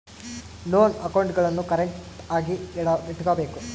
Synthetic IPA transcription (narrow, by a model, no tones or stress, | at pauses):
lo̞ːnɐkːɐwɳɖuɣɐɭenːukɐɾɐɳʈaːɡiɽaʋeʈːuɣaːbe̞ːkːum